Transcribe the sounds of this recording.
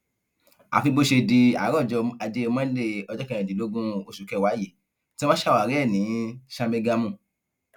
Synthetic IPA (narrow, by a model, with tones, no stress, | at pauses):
a̰˨fi˧bo˦ʃe˧di˧a̰˨˦ɾɔ̃˦˨d͡ʒɔ˧a˧d͡ʒe˦˧mã˦le˦ɔ˧d͡ʒɔ˦kɛ̃˧ɛ̃˨di˨lo˦ɡũ˦o˧ʃu˨kɛ˧˨wa˨˦ji˨˦ | ti˦mã˦ʃa˦˨wa˨˦ɾɛ˦˨nĩ˨˦ʃa˧me˧ɡa˧mũ˦˨